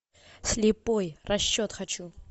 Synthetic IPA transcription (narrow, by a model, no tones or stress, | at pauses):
sʲlʲɪpojrɐɕːot̪xɐt͡ɕu